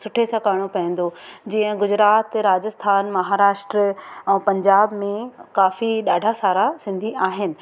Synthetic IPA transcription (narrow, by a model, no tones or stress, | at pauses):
sʊʈʰesɐkaːɽ̃opɐĩːn̆d̪od͡ʑiːə̃ɡʊd͡ʑɾaːt̪ɾaːd͡ʑəst̪ʰaːnmɐɦaːɾaːʃʈɾəɛ̃ːpɐ̃ɲd͡ʑaːbmẽkaːfiɗaːɖʱasaːɾasɪ̃nd̪ʱiʔaːɦɪnɪ̆